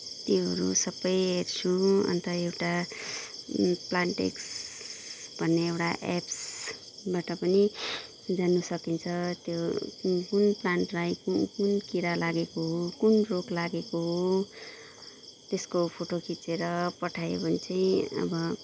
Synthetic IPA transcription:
t̪joɦʌɾṵsʌbʌjɦert͡sʰũʌ̰nt̪ʌewʈa | plaɳʈḛks | b̥ʱʌnːeːwʈaʔeps | baʈʌpʌni | d͡zanːusʌkint͡sʰʌt̪jokunplanʈrajkukunkiɾalaɡekoɦokunroklaɡekoɦo | t̪eskopʰoʈokit͡seɾʌpʌʈʰajebʱʌnt͡sãĩʌ̰bʌ

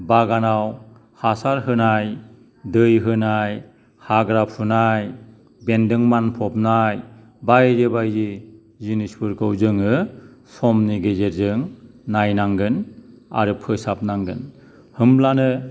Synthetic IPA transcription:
baɡanaw | hasaɾɦɯnaj | dɯjɦɯnaj | haɡɾapʰunaj | bendɯŋmanpʰɔp̚naj | bajɾɯbajd͡ʒi | zinispuɾkɯwzɯŋɯsɔmniɡezeɾzɯŋnajnaŋɡɯna̰ɾɯpʰɯsap̚naŋɡɯn | hɯmlanɯ

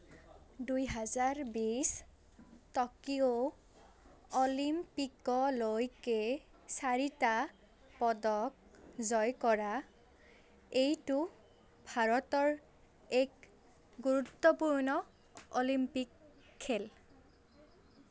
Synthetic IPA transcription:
dujɦazaɹbis | tɔkio | ɔlimpikɔlojke | saɹita | pɔdɔk̚ | zɔjkɔɹa | ejtu | bʱaɹɔtɔɹ | ek | ɡuɹutːɔpuɹnɔ | olimpikʰː | el

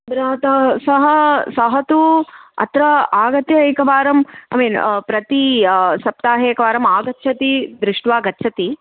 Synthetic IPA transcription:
d̪ɾɐɦɐt̪ɐsɐɦɐsɐɦɐt̪uɐ̰t̪ɾɐaːɡɐt̪jɐeːkɐʋaːɾɐma̰miːnpɾɐt̪isɐp̚t̪aːɦeːkɐʋaːɾɐmaːɡɐtːʃʰɐt̪id̪ɾɪʂʈʋaːɡɐtːʃʰɐt̪i

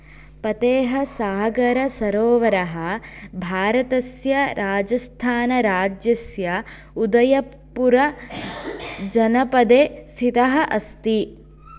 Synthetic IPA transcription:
pɐt̪eːɦɐsaːɦɐɡɐɾɐsɐɾoːʋɐɾɐɦɐbʱaːɾɐt̪ɐsjɐɾaːd͡ʒɐst̪ʰaːnɐɾaːd͡ʒjɐsjɐ | ud̪ɐjɐ | pːuɾɐ | d͡ʒɐnɐpɐd̪eːst̪ʰit̪ɐɦɐ̆ʔɐst̪i

